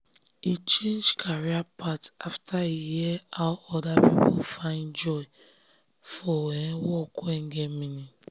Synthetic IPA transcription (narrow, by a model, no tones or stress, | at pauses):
it͡ʃẽnd͡ʒkʰaɾiapataftʰaijeeaɔdapipofaɪnd͡ʒɔɪ | fɔwewɔkʊeŋ̩ɡemini